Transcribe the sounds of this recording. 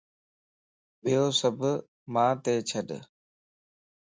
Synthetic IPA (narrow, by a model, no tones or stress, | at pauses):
bʱɪjoːsəbʱ | mãːt̪eːt͡ʃʰəɗ